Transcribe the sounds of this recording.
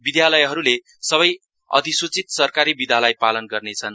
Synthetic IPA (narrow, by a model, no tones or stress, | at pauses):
bid̪jalʌjɦʌɾule | sʌβʌj | ʌ̰d̪ʱisut͡sit̪sʌrkaɾibid̪ʱjalʌjpalʌnɡʌrnet͡sʰʌn